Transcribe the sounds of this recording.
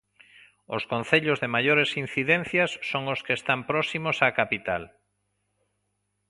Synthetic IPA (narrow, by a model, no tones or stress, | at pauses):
oskon̟θeʎozðemaʎoɾesin̟θiðẽn̟θjasːoŋoskest̪ampɾɔsimosakapit̪al